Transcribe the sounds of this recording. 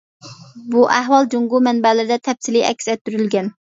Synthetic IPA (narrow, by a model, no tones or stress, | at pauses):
buʔæɦwɑlˠd͡ʒoŋɡumɛnbɛlɪɾd̪ɛt̪ʰɛpsiliʔɛ̰kʲsɛt̪ːyɾylɡʲɛn